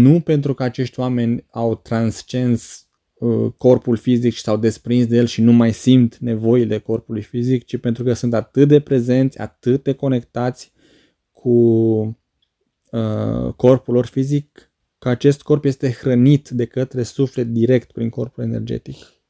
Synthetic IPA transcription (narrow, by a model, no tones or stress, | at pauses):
nupe̞nt̪ɾukəat͡ʃe̞ʃt̪ʲoame̞nʲawt̪ɾanst͡ʃe̞ns | əko̞rpulfizikʃi̥sawd̪e̞spɾinsd̪ejelʃinumajsimt̪ne̞vo̞ile̞ko̞rpulujfizikt͡ʃipe̞nt̪ɾukəsunt̪at̪ɨt̪̚d̪e̞pɾe̞ze̞nt̪sʲa̰t̪ɨt̪̚d̪e̞ko̞ne̞kt̪at̪sʲ | kʰu | əko̞rpulo̞rfizikː | əat͡ʃe̞st̪ko̞rpje̞st̪e̞xɾənit̪d̪e̞kət̪ɾe̞sufle̞t̪̚d̪iɾe̞kt̪pɾiŋko̞rpule̞ne̞rd͡ʒe̞̰t̪ik